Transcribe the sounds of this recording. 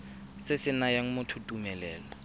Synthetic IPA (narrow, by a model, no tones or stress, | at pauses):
sɪsɪnajaŋ̩mʊtʰutʼumɛlɛːlɔ